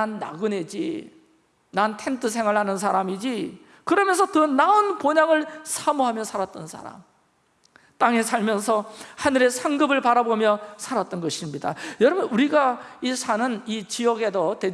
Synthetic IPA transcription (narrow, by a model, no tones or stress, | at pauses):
anːa̰ɡɯned͡ʑḭ | nantʰentʰɯsʰe̞ŋaɭhanɯnsʰaɾamid͡ʑi | kɯɾʌmjʌnsʰʌtɯnaunpoɲaŋɯɭsʰamuɦamjʌsʰaɾat̚t͈ʌnsʰa̰ɾa̰m | t͈aŋe̞sʰaɭmjʌnsʰʌhanɯɾe̞sʰaŋɡɯbɯɭpaɾabomjʌsʰaɾat̚t͈ʌnɡʌɕʰimɲida̰jʌɾʌbunuɾiɡaisʰanɯnit͡ɕiʌɡe̞dʌte̞